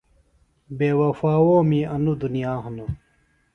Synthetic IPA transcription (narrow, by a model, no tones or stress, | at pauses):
beːwɐfaːwoːmiɐnud̪unijaːɦɐnɐ